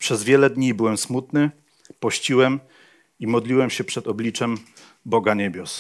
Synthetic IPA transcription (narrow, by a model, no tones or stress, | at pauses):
pʂɛzvʲjɛlɛd̪ɲibɘwɛmsmut̪nɘ | pɔɕt͡ɕiwɛm | imɔd̪lʲiwɛmɕɛpʂɛt̪ɔblʲit͡ʂɛm | bɔɡaɲebʲjɔs